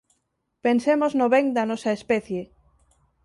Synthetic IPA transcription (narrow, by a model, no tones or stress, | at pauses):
pensemoznoβeŋd̪ɐnɔsɐespɛθje